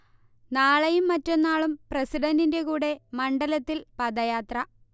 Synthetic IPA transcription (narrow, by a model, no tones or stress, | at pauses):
naːɭɐjumːɐtːo̞nːaːɭumpresiɖɐndinde̞kuːɽe̞mɐɳɖɐlɐt̪ːilpɐd̪ɐjaːt̪rɐ